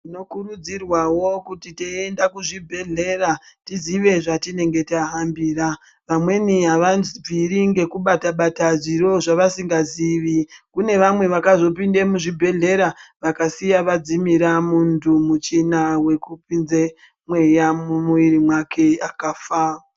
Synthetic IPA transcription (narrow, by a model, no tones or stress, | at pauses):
ino̞kurud͡zirwawo̞kutiteendakuʐibʱe̞ɮe̞ɾatiziʋe̞ʐatine̞ŋɡe̞taɦambiːɾa | ʋamwe̞niɦaʋanzib͡viɾiŋɡe̞kuɓataɓataʐiɾo̞ʐaʋasiŋɡaziʋikune̞ʋamwe̞ʋakazo̞pinde̞muʐibʱe̞ɮe̞ɾaʋakasijaʋad͡zimiɾamuntʰumut͡ʃinawe̞kupinze | mwe̞jamumuʋirimwakʰe̞akaːfa